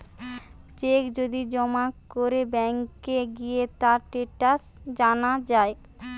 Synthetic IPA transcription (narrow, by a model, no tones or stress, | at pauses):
t͡ɕekd͡ʑod̪id͡ʑɔmakoɾebɛŋkːeɡijet̪aɾʈeʈas | d͡ʑanad͡ʑae